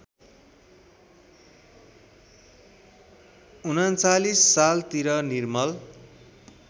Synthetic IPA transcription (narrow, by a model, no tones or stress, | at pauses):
unʌnt͡salisːalt̪iɾʌnirmʌl